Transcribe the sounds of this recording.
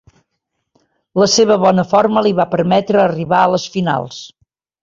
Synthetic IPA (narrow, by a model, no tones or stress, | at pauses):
ləseβ̞əβɔnəfoɾməliβapəɾmɛt̪ɾəːriβaələsfina̰lˠs